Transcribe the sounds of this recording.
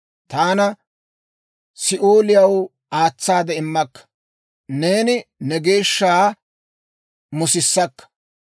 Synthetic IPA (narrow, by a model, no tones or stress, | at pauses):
t̪aːnɐ | sɪʔoːlɪjɐw | aːt͡sːaːd̪ɛɪmːɐkːɐ̥ | ne̞ːnɪnɛɡe̞ːʃːaː | mʊsɪsːɐkːɐ̥